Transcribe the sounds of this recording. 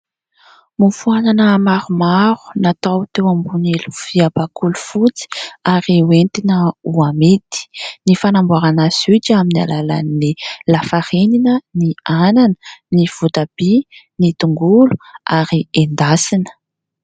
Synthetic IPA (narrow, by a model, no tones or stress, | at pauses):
mufuananəmaɾumaɾu̥nat̪awt̪ewambuneluviabakulufut͡si̥aɾiwent̪inəuamet̪i̥nifanambuaɾanazit͡ʃaminia̰lala̰nːilafaɾeninəniananə̥niv̥ut̪ab̥i | nit̪uŋɡulu̥aɾiend̪asinə̥